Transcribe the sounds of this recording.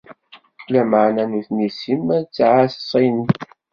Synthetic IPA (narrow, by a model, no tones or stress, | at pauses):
læmaʕnænuθnisimt͡sːʕassˤin